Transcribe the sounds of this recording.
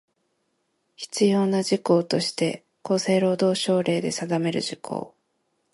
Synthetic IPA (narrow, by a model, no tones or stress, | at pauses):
çi̥t͡sɨjo̞ːnad͡ʑiko̞ːt̪o̞ɕi̥t̪e̞ | ko̞ːse̞ːɾo̞ːd̪o̞ːɕo̞ːɾe̞ːd̪e̞sad̪ame̞ɾɯ̟̰ʑikʰo̞̰ː